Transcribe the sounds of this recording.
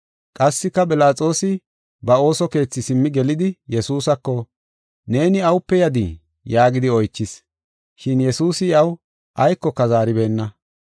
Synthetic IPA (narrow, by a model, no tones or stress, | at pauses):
kʼɐsːɪkːɐpʼɪlaːt͡sʼo̞ːsɪ | bɐo̞ːsɔke̞ːt͡sːɪsɪmːɪɡɛlɪd̪ɪjɛsuːsɐkːɔ | ne̞ːnɪɐwʊpːɛjɐd̪ɪ | jaːɡɪd̪ɪɔjt͡ʃːɪs | ʃɪnjɛsuːsɪɐw | ʔɐjkːɔkɐzaːɾɪbe̞ːnːɐ